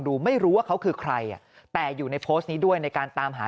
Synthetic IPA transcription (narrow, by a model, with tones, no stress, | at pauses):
ŋduː˧ma˥˩jɾuː˦˥waː˥˩kʰa˦˥wkʰɯː˧kʰɾa˧jʔa̰˨˩ | t̪ɛː˨˩juː˨˩na˧jpʰoː˦˥st̪̚niː˦˥du˥˩əjna˧jkaː˧nt̪aː˧mɦaː˩˦